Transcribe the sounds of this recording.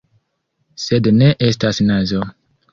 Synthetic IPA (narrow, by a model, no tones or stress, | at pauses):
sedne̞ʔestasnazo